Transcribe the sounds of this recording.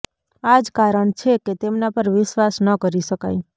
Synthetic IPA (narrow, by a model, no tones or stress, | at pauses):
ad͡ʒkaɾəɳt͡ʃʰeket̪emnapəɾʋɪʃʋasnəkəɾiʃəka̰j